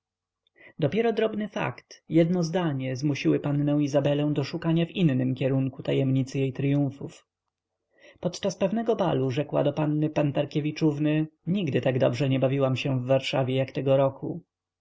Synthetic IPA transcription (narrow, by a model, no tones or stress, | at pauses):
d̪ɔpʲjɛɾɔd̪ɾɔbnɘfa̰kt̪jɛd̪nɔzd̪aɲɛzmuɕiwɘpanːɛw̃izabɛlɛ̃w̃d̪ɔʂukaɲavinːɘmkʲɛɾuŋkut̪ajɛmɲit̪sɘjejt̪ɾjũfuf | pɔt̪t͡ʂaspɛvnɛɡɔba̰luʐɛkwa̰d̪ɔpanːɘpant̪aɾkʲɛvʲit͡ʂuvnɘɲiɡd̪ɘt̪aɡd̪ɔbʐɛɲɛbavʲiwamɕɛvːaɾʂavʲjɛjakt̪ɛɡɔɾɔkʰu